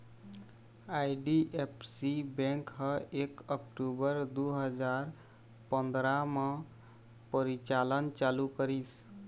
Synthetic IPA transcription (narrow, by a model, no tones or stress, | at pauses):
aiɖiʔepʰsibɛ̃ŋkɦəekəkʈubəɾd̪uɦəd͡ʒaɾ | pənd̪ɾamʌ̃ | pəɾit͡ʃalənt͡ʃalukəɾis